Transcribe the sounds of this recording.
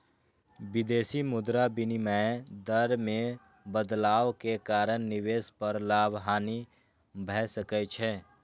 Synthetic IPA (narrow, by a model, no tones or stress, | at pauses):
bɪd̪eːsimʊd̪ɾabɪniməd̪əɾmẽ | bəd̪laːʋkekaːɾənnɪweːspəɾlaːbɦaːni | bʱɛsəkət͡ʃʰɛː